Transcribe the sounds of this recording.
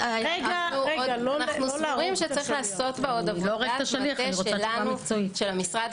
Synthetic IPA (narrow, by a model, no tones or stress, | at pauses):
eɡauonaχnusuʁimʃet͡sɐʁiχleːso̞tbeod̪avuloʁeataʃaliaeʃoealanuoiʃelamisʁad